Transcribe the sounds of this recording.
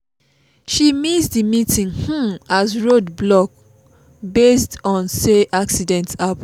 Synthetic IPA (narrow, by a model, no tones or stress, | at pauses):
ʃimisdimitʰĩŋhũasɹodblɔk̚ | bestɔ̃nseʔaksidɛ̃ntap